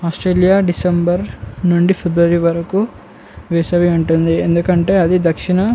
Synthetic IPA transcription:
aːsʈɾeːlijaːɖisembɐɾnuɳɖipʰebɾuʋɐɾiʋɐɾɐku | ʋɛːsɐʋiuɳʈund̪iend̪ukɐɳʈe̞ːɐd̪id̪ɐkʂiɳɐ

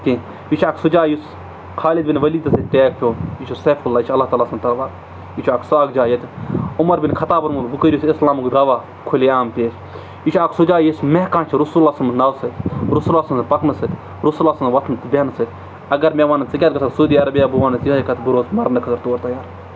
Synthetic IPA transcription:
t̪i | it͡ʃʰaːksud͡ʒaːjus | kʰaːlid̪binʋɐliːt̪ɐsɐt̪ʲt̪eːk̚pʰʲoːit͡ʃʰuseːfulːaːit͡ʃʰɐlːaht̪aːlaːsɐmt̪ɐɾʋaːɾ | it͡ʃʰaːksaːɡd͡ʒaːjɐt̪ʲʊmɐɾbinkʰɐt̪aːbɐɾmulbukəɾʲusɪslaːmukd̪aːʋaː | kʰʊleaːmpeːt͡ʃʰ | it͡ʃʰaːksud͡ʒaːjismekãːnt͡ʃʰiɾusulaːsɐmnɐwsɨt̪ʲɾusulaːsɐmpɐknɨsɨt̪ʲ | ɾusulaːsmʋɐt̪ʰnt̪bʲenɨsɨt̪ʲ | ɐɡɐɾmeːʋaːnɐnt͡sikʲaːt̪kɐsʰɐsud̪iːɐɾɐbjaːbuʋaːnɐsiɦaːjkɐt̪ʰbuɾoːsmɐɾnɐkʰɐt̪ɐɾt̪oːɾt̪ɐjaːɾ

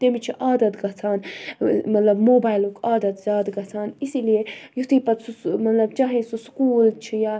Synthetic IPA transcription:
t̪emit͡ʃʰiʔaːd̪ɐt̪ɡɐt͡sʰaːnmɐt̪lɐbmoːbaːjlukaːd̪ɐt̪zʲjaːd̪ɡɐt͡sʰaːnisilijejut̪iːpɐt̪sumɐt̪lɐbt͡ʃaɦẽːsuskuːlt͡ʃʰijaː

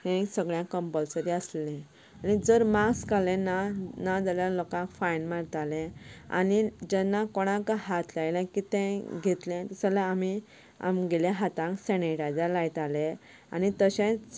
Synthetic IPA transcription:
t̪ɛ̃səɡɭjãkəmpəlsəɾiəsllɛ̃ | anid͡zəɾmakskalɛ̃nanad͡zaljalokãkfajnmaɾt̪aleɛ̃a̰nid͡ʑɛnːakoɽ̃ãkaɦat̪ʰlajlãkit̪ɛ̃ɡʱet̪lɛ̃t̪əsalaami | a̰mɡeljaɦat̪ãkseneʈad͡ʑalajt̪alẽ | a̰nit̪əɕẽ

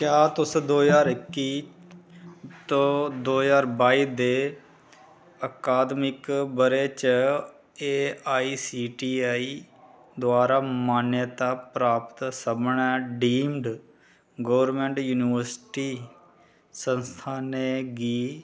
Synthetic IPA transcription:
kjaːt̪ʊsd̪oːzaːɾɪkːiː | t̪õːd̪oːzaːɾbaːiːd̪eː | əkaːd̪mɪkbəɾeːt͡ʃə | eːaːiːsiːʈiːaːi | d̪ʊaːɾaːmaːnjət̪aːpɾaːpt̪səbɳɛːɖiːmɖ | ɡəːʋəɾmeːɳʈjuːnɪʋəɾsʈiː | sənst̪ʰaːneːɡiː

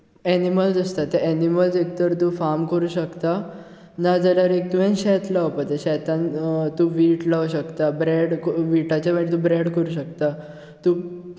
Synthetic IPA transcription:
ɛniməld͡zəst̪at̪ɛʔɛniməld͡zek̚t̪əɾt̪ũːfamkəɾuːɕəkt̪a | nad͡zəlaɾek̚t̪uɦɛ̃nɕɛt̪laʋpat̪eɕɛt̪ãnt̪ũʋiːʈlaʋɕəkt̪abɾɛɽkʋiʈat͡ɕaʋaʈt̪ũbɾeɽkəɾuːɕəkt̪a | t̪u

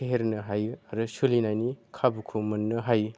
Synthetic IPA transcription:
eɦeɾnɯɦajuaɾɯsɯlinajnikʰabukʰumɯnːɯɦaju

